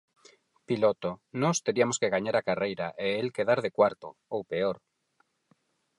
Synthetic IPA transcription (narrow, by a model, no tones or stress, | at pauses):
pilot̪onɔst̪eɾiamoskeɣaɲaɾakarejɾaʔeelkeðaɾðekwaɾt̪oowpeoɾ